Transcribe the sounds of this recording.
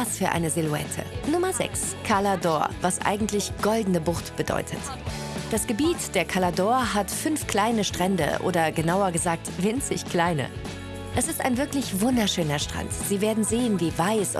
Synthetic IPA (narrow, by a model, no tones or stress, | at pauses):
asfyːɐʔa̰ɪnəzɪluɛ̰tʰə̰nʊmɐzɛ̰kskʰaladɔːɐvasʔa̰ɪɡŋ̩tlɪçɡ̥ɔldn̩əbʊʁtb̥ədɔ̰ʏtʰət | d̥asɡ̥əbiːtd̥eːɐkʰaladɔːɐɦatfʏnfkl̥aɪnəʃtʁ̥ɛndə̰ʔo̰ːdɐɡənaʊɐɡəzaːk̚tv̥ɪnt͡sɪçkl̥aɪnə̰ | ʔɛsɪsta̰ɪnvɪɐklɪçvʊndɐʃøːnɐʃtʁ̥a̰ntz̥iːveːɐdn̩zeːənviːvaɪs